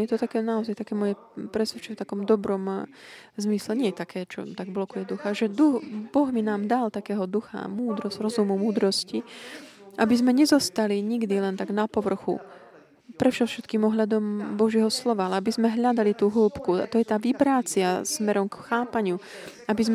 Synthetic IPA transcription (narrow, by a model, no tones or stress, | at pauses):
jɛt̪ɔt̪akɛːnaɔzajt̪akɛːmɔjɛ | pɾɛsʋɛt͡ʃɛɛft̪akɔmd̪ɔbɾɔm | zmislɛɲɪɛjɛt̪akɛːt͡ʃɔ̰t̪aɡblɔkujɛd̪uxaʒɛd̪uɣbɔɣminaːmd̪alt̪akɛːɦɔd̪uxa̰muːd̪ɾɔzɾɔzumumuːd̪ɾɔsci | ʔabizmɛɲɛzɔst̪aliɲiɡd̪ilɛnt̪aɡnapɔʋr̩xṵ | pɾɛfʃɛfʃɛt̪kiːmɔɦʎad̪ɔmbɔʒɪɛɦɔslɔʋaalɛabizmɛɦʎad̪alit̪uːɦulpkua̰t̪ɔjɛt̪aːʋibɾaːt͡sɪasmɛɾɔmkxaːpaɲɪu | abizm